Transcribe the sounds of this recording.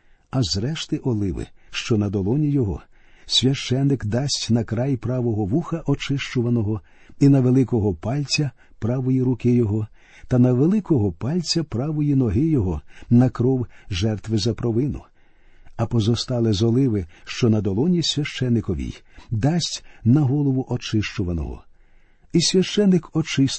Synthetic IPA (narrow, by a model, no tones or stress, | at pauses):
ɐzɾɛʃt̪ɪʔɔlˠɪʋɪ̰ʃt͡ʃɔnɐd̪ɔlˠɔnʲijɔɦɔ̰ | sʲʋʲɐʃt͡ʃɛnːɪkd̪ɑsʲtʲnɐkɾɑjpɾɑʋɔɦɔʋuxɐʔɔt͡ʃɪʃt͡ʃʊʋɐnɔɦɔ | inɐʋelˠɪkɔɦɔpɑlʲt͡sʲɐ | pɾɑʋɔjiɾʊkɪjɔɦɔ | t̪ɐnɐʋelˠɪkɔɦɔpɑlʲt͡sʲɐpɾɑʋɔjinɔɦɪjɔɦɔnɐkɾɔwʒɛrt̪ʋɪzɐpɾɔʋɪnʊ̰ | ɐpɔzɔst̪ɑlˠɪzɔlˠɪʋɪʃt͡ʃɔnɐd̪ɔlˠɔnʲisʲʋʲɐʃt͡ʃɛnːɪkɔʋʲḭj | d̪ɑsʲtʲnɐɦɔlˠɔʋʊʔɔt͡ʃɪʃt͡ʃʊʋɐnɔ̰ɦɔ̰ | isʲʋʲɐʃt͡ʃɛnːɪkɔt͡ʃɪs